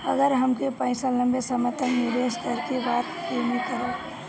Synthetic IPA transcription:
əɡəɾɦəmkepə̃ɪ̃salə̃mbesəməɾt̪ənnɪɾeʃt̪əɾkebaːt̪kemikəɾe

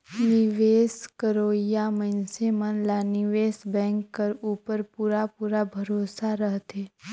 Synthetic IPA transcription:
nɪʋeːskəɾoːijamənsemənlanɪʋeːsbɛ̃ːŋkːəɾuːpəɾpuːɾapuːɾabʱɐɾoːsaɾəɦt̪eː

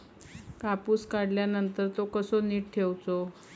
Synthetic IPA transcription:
kapuːskaɽljanənt̪əɾt̪okəsoniːʈ̚ʈʰewt͡so

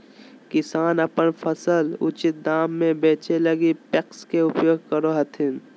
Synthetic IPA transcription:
kɪsaːnɐpənpʰəsəlʊ̰t͡ʃɪt̪̚d̪aːmːẽbeːt͡ʃelɐɡipekskeʊpjoːɡ̚ʱkəɾoɦɐt̪ʰɪn

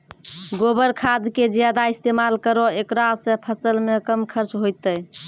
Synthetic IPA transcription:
ɡobəɾkʰad̪ked͡ʒjad̪aist̪emalkəɾɔekɾasə̃pʰəsəlmekəmkʰəɾt͡ʃɦojt̪ə

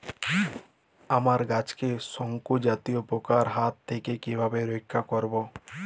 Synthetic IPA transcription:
amaɾɡat͡ʃkesɔŋkud͡ʒat̪ijopokaɾɦat̪ːekekibʱabeɾoikʰːakɔɾbo

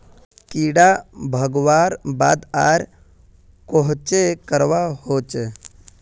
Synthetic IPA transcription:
kiːɽabʱəɡʋaːɾbaːd̪aːɾ | koɦt͡ʃekəɾʋahoːt͡ʃ

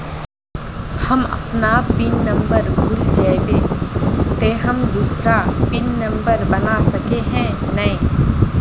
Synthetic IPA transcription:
hɐmɐ̰pnapɪnːɐ̃mbəɾbʱʊld͡ʒaːd̪eːt̪eːɦɐmd̪uːsɾapɪnːɐ̃mbəɾbɐnasɐkeɦɛ̃ | nɐĩː

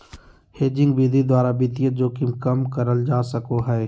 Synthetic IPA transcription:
heːd͡ʒɪ̃ŋɡbiːd̪ʱid̪waːɾabɪt̪ijəd͡ʒoːkimkɐmkɐɾəld͡ʒaːsəkoɦɛː

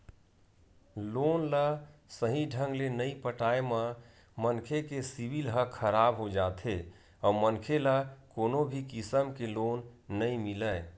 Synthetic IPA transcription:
lonləsəɦĩɖʱəŋɡlenəipəʈaemə | mənkʰekesibilɦəkʰəɾabɦod͡ʒat̪ʰe | ɔumənkʰeləkonobʱikisəmkelonːəimiləɪ

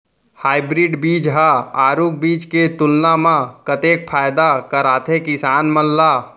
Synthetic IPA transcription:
haːɪbɾiɖbiːd͡ʒɦaaːɾuk̚biːt͡ʃket̪ʊlnamãkət̪ek̚pʰaːjd̪akəɾaːt̪ʰekɪsaːnmənːa

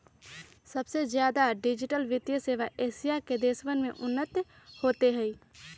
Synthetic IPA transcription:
səbsezjaːd̪aɖɪd͡ʒɪʈəlʋɪt̪jəseːʋaʔeːsijaked̪eːsʋənmḛ̃ʔʊnːət̪j | hoːt̪eɦɛiː

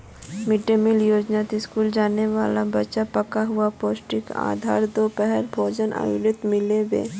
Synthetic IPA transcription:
mɪɖemɪljoːd͡ʒnaːt̪iskuːld͡ʒaːneʋaːlabɐtːʃapɐkaɦʊapoːsʈɪka̰ːd̪ʱa̰ːɾd̪oːpɛɦɛɾbʱoːd͡ʒənʔa̰jʊɾɪt̪mɪlewḛː

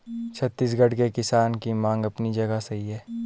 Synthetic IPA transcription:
t͡ʃʰɐt̪ːiːs̬ɡɐɽkekɪsaːnkimãːŋɡɐpnid͡ʒɐɡasɐɦiɦɛː

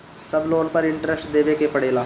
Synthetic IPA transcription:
səbloːnpəɾɪ̃ɳʈɾəsʈd̪eːʋekepəɽeːlaː

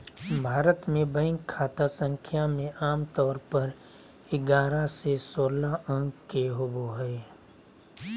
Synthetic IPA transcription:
bʱaːɾət̪mẽbə̃ɪ̃ŋɡkʰːaːt̪asə̃ŋkʰjamẽʔaːmt̪ɔːɾpəɾ | ɪɡaːɾasesoːlaʔə̃ŋɡkeɦoboɦɛː

